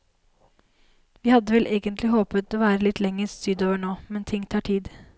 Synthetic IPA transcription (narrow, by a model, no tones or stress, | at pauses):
ʋiːhɑd̪ːəʋɛlʔeːɡənt̪ʰlɪhoːpət̪oːʋæːɾəlɪt̪ʰlɛŋːəɾst̪ʏd̪oːʋəɳoːmɛnt̪ʰɪŋːt̪ʰɑːʈʰiːd̪